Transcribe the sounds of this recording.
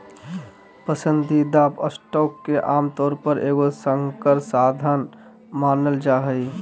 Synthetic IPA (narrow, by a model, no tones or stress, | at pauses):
pəsənd̪ʱid̪aːpəsʈɔːkːeʔaːmt̪ɔːɾpəɾʔeːɡosəŋkəɾsaːd̪ʱaːn | maːnəld͡ʒaːɦəi